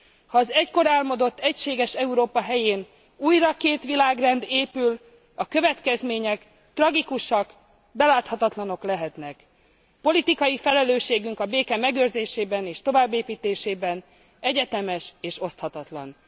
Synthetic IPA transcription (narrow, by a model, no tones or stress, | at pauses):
hɒːzɛcko̞ɾɛlmo̞d̪o̞t̪ːɛcʃeːɡɛʃɛuɾoːpɒɦɛjeːn | uːjrɒkeːt̪ʋilaːɡrɛnd̪eːpyl | ɒkø̞vɛt̪kɛzmeːɲɛk | t̪rɒɡikuʃɒk | bɛlaːt̪hɒt̪ɒt̪lɒno̞klɛɦɛt̪nɛk | po̞lit̪ikɒjifɛlɛløːʃeːɡyŋkɒbeːkɛmɛɡøːrzeːʃeːbɛneːʃt̪o̞vaːbːeːpiːt̪eːʃeːbɛn | ɛɟɛt̪ɛmɛʃeːʃo̞st̪hɒt̪ɒt̪lɒ̰n